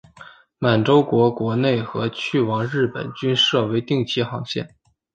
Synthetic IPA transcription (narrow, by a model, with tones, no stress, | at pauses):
ma˨˩nʈ͡ʂo˥ʊkwɔ˧˥kwɔ˧˥ne˥˩ɪxɤ˧˥t͡ɕʰy˥˩wɑ˧˥ŋɻɻ̩˥˩pə̰˨˩nt͡ɕy˥nʂɤ˥˩we˧˥ɪt̪i˥˧ŋt͡ɕʰi˥xɑ˧˥ŋɕjɛ̰˥˩n